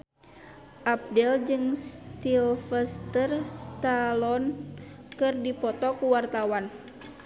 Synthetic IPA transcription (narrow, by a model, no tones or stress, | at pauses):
ʔap̚dɛld͡ʒɨŋst̪ilfɛst̪ərst̪alɔn | kɨrdipɔt̪ɔkuwart̪awan